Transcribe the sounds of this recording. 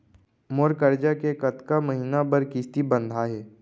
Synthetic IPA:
moɾkəɾd͡ʒakekɐt̪kaməɦiːnabəɾkɪst̪ibə̃nd̪ʱaɦɛː

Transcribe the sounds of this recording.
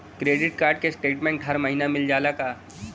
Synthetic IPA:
kɾeːɖɪʈ̚kaːɾɖ̚kesʈeːʈmẽːɳʈɦɐɾməɦiːnamɪld͡ʒaːlakaː

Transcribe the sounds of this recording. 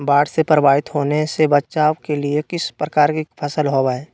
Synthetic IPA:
baːɽsepɾəbaːɦɪt̪ɦoːnesebətːt͡ʃaːwkeliekɪspɾəkaːɾkipʰəsəlɦoːbaːɛː

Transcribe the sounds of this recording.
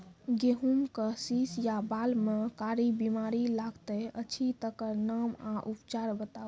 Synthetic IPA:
ɡeɦumkəsisjabalmekaɾibimaɾilaɡt̪əət͡ʃʰit̪əkəɾnəmaʔupt͡ʃaɾbət̪a

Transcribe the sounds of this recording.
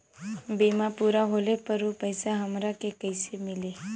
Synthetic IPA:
biːmapuːɾaɦoːlepɐɾopəɪsaɦɐmɾakekəɪsemɪleː

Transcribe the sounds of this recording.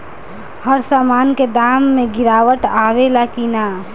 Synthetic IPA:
həɾsaːmaːnked̪aːmːẽɡɪɾaːwəʈaːʋelakina

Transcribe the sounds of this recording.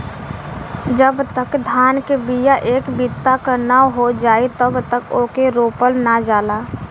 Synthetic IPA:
d͡ʒəbt̪əkd̪ʱaːnkebijaʔeːkbit̪ːakəɾnaɦod͡ʒaːit̪əbt̪əkoːkeɾoːpəlnad͡ʒaːla

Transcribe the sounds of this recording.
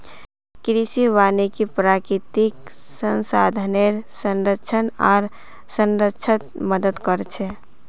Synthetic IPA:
kɾisiʋanekipɾakɾit̪ik | sə̃nsad̪ʱəneɾsənɾətːt͡ʃʰəna̰ːɾ | sənɾətːt͡ʃʰət̪məd̪əd̪kəɾt͡ʃʰɛ

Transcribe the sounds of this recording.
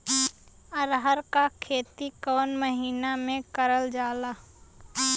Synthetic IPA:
əɾɦəɾkakʰeːt̪ikɔːnməɦiːnamẽkəɾəld͡ʒaːlaː

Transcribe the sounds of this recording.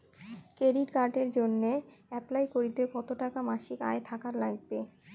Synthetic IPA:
kɾeɖiʈkaɾʈeɾd͡ʑonːeɛplajkoɾit̪ekɔt̪oʈakamaʃika̰et̪ʰakaɾlaɡ̚be

